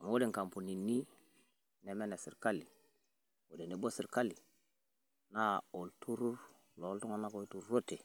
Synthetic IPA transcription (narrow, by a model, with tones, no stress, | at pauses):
ŋo˦de˨ŋka˨mpu˨ni˨ni˦ | ne˨me˦ne˨si˨ɾka˦li˨ | wo˨de˨ne˨˦bo˦si˨ɾka˦li˨ | na˦o˨ltʰu˦ɾu˦ɾ | lo˨˦ltu˦ŋa˦na˦ko˨i˦tu˨ɾɾo˦te˨